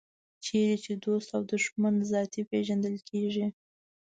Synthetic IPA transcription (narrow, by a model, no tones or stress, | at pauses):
t͡ʃeɾet͡ʃed̪ost̪awd̪ʊʃmanzɑt̪ipeʒand̪əlkʰeʐi